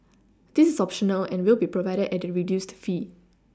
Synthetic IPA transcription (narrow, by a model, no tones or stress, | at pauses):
d̥isɪsɔpʃɔnəlɛ̃nwilˠbipɹɔvaɪɾədɛt̚əɹidjustfi